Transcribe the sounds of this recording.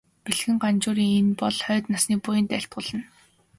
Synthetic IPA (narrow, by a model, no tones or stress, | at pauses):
peɮxɘ̆ŋɢant͡ɕʊːɾiːŋenpɔɮχœːt̪nasniːpujɪ̆nt̪æɬt̪̚ɢʊːɮə̆n